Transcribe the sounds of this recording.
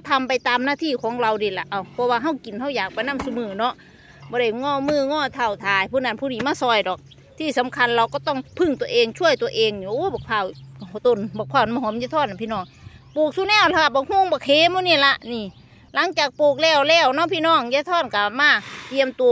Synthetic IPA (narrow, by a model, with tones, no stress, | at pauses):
t̪ʰa˧mpa˨˧jt̪aː˨mnaː˧˥˨t̪ʰiː˧˩˨kʰɔː˨˦ŋla˧wniː˧˩˨la˨˧˩ʔa˧˩wpʰɔ˧waː˧ɦa˧˥˩wki˨nɦa˧˥˩wjaː˨˩k̚pa˨jnaː˧˥˨msu˧mɯː˧˩nɔ˧˥ʔ | bɔː˧˦ɾa˧˩jŋɔː˧˥˨mɯː˧˥˨ŋɔː˧˥˨t̪ʰa˧˩˨wt̪ʰaː˨˩jpʰuː˧˨na˧˩npʰuː˧diː˨˦maː˧˥˨sɔː˧˩jdɔː˨˩k̚ | t̪ʰiː˧˩sa˨˧˦mkʰa˧˥˨nla˧wkɔː˧˩t̪ɔ˧˩ŋpʰɯ˧˥˨ŋt̪u˧ə˨ʔeː˧ŋt͡ɕʰu˧˥˨əjt̪u˧˩əʔeː˧ŋɲ˨˧˨ʔbɔː˨˩k̚pʰaː˧˩wt̪o˧˩˨nbɔː˧˩k̚pʰɔː˧˩nmaː˧˨hɔ˨˧˦mja˧˨t̪ʰɔː˧˥˨na˨pʰiː˧˨nɔː˧˩ŋ | poː˧˩k̚suː˧˨nɛː˧˩˨wla˧ka˧˩bɔː˧˩k̚huː˧˨ŋbɔː˧˩kʰeː˧˨mu˧˨niː˧˥˨la˧ʔniː˧˩ | la˨˦ŋt͡ɕaː˨˩k̚poː˨˧˩k̚lɛː˧˩wlɛː˧˩˨wnɔ˧˥˨pʰiː˧˨nɔː˧˥˩ŋjaː˧t̪ʰɔː˧˥˩nka˧˩maː˧˥˩t̪i˧əmt̪u˧